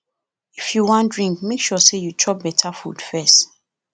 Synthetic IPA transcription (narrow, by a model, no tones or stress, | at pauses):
ifjuwɔ̃ndɹĩŋk̚mekʃɔsejutʰɹɔp̚bɛtʰafṵdfɛst